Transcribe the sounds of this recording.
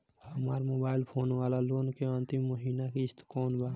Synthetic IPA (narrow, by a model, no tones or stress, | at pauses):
hɐmaːɾmoːbaːɪlpʰoːnʋaːlaloːnkeə̃nt̪imːoɦiːnakist̪koːnbaː